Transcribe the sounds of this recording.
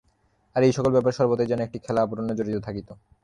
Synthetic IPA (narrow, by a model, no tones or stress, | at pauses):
aɾejʃɔkolbɛp̬aɾeʃɔɾbot̪ed͡ʑɛnoek̚ʈikʰɛlaapoɾonod͡ʑoɾit̪ot̪ʰakit̪o